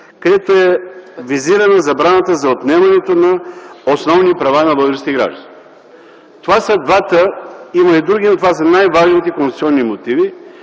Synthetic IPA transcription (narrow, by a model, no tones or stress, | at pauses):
kɐd̪ɛt̪oɛviziɾɐnɐzɐbɾanɐt̪əzɐot̪nɛmɐnɛt̪onɐosnɔvnipɾɐvanɐbəd̪ɾɛst̪iɡɾa̰ʒd̪ɐn | t̪ovasəd̪vat̪əimɐid̪ɾuɡinɐt̪ovas̬ənajvaʒnit̪ɛkonst̪u̥tsʲiɔnːimot̪ivi